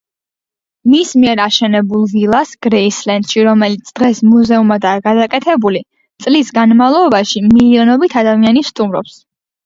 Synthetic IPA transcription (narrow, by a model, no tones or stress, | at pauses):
mismiɛɾaʃɛnɛbulˠvilˠasɡ̥ɾɛislɛnd̪ʃiɾɔmɛlit̪sʰd̪̥ʁɛsmuzɛumad̪aːɡad̪akʼɛt̪ʰɛbuli | t̪sʼlisɡanmavlˠɔbaʃimiliɔnɔbit̪ʰad̪amianist̪ʼumɾɔps